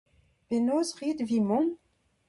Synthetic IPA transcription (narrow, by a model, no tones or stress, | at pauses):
penoːzʁiːd̪vimɔ̃n